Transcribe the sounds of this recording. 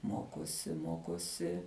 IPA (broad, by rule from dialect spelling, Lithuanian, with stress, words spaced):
ˈmoːkoːsʲɪ ˈmoːkoːsʲɪ